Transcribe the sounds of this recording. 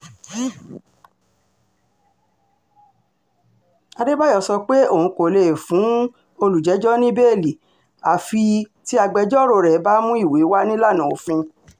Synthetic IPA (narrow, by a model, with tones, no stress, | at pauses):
a˧de˦ba˦jɔ˧˨sɔ˧k͡pe˦o˦˨ũ˧˦ko˨le˨fũ˨˦ | o˧lu˨d͡ʒɛ˨˦d͡ʒɔ˦nĩ˦be˦˨li˨ | a˨fi˧ti˦a˧ɡ͡bɛ˧d͡ʒɔ˦˨ɾo˧ɾɛ˨˦ba˦mũ˦i˦˨we˨˦wa˦nĩ˦la˦˨nã˨o˨fĩ˧